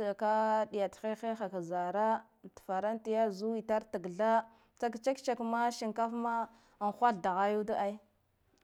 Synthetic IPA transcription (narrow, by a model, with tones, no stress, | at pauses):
a˨ka˦ɗi˨ja˨txe˦xe˦xa˨ka˨za˨ɾa˦ | tfa˨ɾa˦nti˨ja˦zu˦i˨ta˦ɾta˨ɡɮa˦ | t͡sa˦kt͡ʃa˦kt͡ʃa˨kma˦ʃi˨ŋka˦fma˦ | a˨n˨xʷa˦ɬda˨ɣa˦ju˦da˦ʔa˦i˦